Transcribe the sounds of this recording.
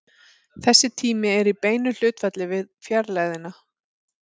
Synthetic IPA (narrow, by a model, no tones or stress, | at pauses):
θɛsːɪt̪ʰiːmɪɛɾipeːjnʏl̥ʏːt̪fɛt̪lɪvɪðfjɛɾlaːðɪna